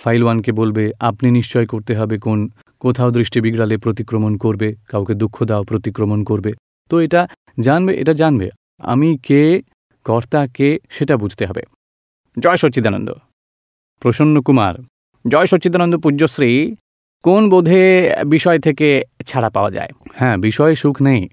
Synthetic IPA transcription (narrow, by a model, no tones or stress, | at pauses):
fajlwankebolbeapniniʃt͡ɕɔekoɾt̪eɦɔbekon | kot̪ʰaod̪ɾiʃʈibiɡɾalepɾot̪̬ikɾomonkoɾbekawked̪ukʰːod̪aopɾot̪ikːɾomonkoɾbe | t̪oeʈa | d͡ʑanbeʔḛʈad͡ʑanbḛ | a̰mike | kɔɾt̪akeʃeʈabud͡ʑʱt̪eɦɔbḛ | d͡ʑɔeʃoːɕid̪ano̰nd̪o̰ | pɾoʃonːokuma̰ɾ | d͡ʑɔeʃoːt͡ɕːid̪anond̪opuosɾi | konbod̪ʱebiʃɔet̪ʰeket͡ɕʰaɽapaoa̰d͡ʑa̰ehɛ̃biʃɔeʃukʰnej